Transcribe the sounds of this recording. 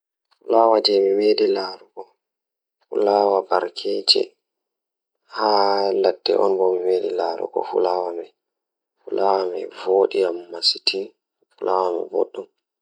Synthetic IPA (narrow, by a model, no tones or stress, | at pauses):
fulawad͡ʒɛmimedilaɾuɡɔ | fulawabaɾkʰɛd͡ʒɛ̰ | haladːɛ̰ʔɔ̰nbɔmimedilaɾṵɡɔ̰fṵlawamɛ | fulawamɛvoɗijamːasitʰin | fulawamɛ̰bɔ̰ɗːum